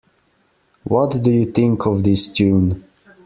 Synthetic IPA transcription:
wɔtdɨjɨθɪ̃ŋkʰɔvðɪstʰʉ̃n

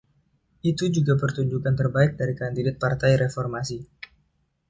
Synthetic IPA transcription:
ʔit̪ud͡ʒuɡapərt̪uɲd͡ʒukant̪ərbaɪk̚daɾikandidat̪̚part̪ajɾefɔrmasi

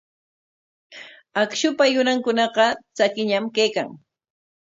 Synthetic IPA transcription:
akʃʊpajʊnaŋkʊnɑqɑt͡sakɪɲamkejka̰ŋ

